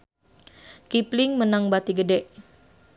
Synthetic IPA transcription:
kipliŋmənaŋbat̪iɡədɛʔ

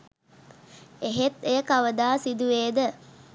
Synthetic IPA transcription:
eɦet̪ejəkaʋəd̪aːsid̪uʋeːd̪ə

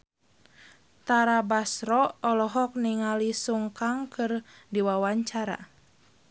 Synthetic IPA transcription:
t̪aɾabasɾɔɔlɔɦɔk̚niŋalisuŋkaŋkʰɨrdiwawaɲt͡ʃaɾa̰

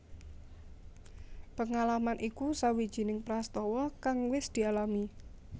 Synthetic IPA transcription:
pəŋalamanʔikusawid̥ʒ̥i̤nɪŋpɾast̪ɔwɔkaŋwɪsd̪̥i̤alami

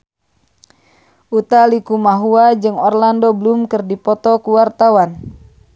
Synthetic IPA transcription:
ʔut̪alikumaɦuad͡ʒɨŋɔrlandɔbəlumkɨrdipɔt̪ɔkuwart̪awan

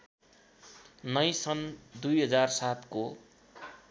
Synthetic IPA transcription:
nʌjsʌnd̪ujɦʌd͡zarsat̪ko

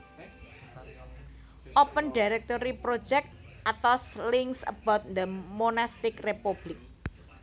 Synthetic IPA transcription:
ʔopənɖ̥iɾɛk̚t̪oɾipɾo̥d͡ʒɛk̚t̪ | ʔat̪ɔslɪŋsə̰b̥ɔt̪̚nd̪əmonast̪ɪkrepub̥lɪk̚

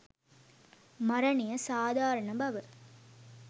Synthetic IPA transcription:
mɐɾɐnijɐsaːd̪ʱaːɾɐɳɐbɐʋə

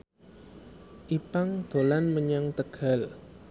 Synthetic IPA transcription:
ʔipaŋd̪̥o̤lanməɲaŋt̪əɡ̥a̤l

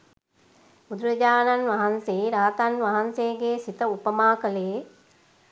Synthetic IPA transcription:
ud̪uɾɐd͡ʒaːnanʋɐɦanseːɾaːt̪anʋɐɦɐnseːɡeːsit̪əupəmaːkəleː

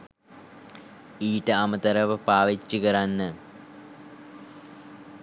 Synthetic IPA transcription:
iːʈəɐmət̪ɐɾɐʋəpaːʋet͡ʃːukɐɾanːə

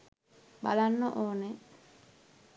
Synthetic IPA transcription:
ba̰lanːoʔoːne

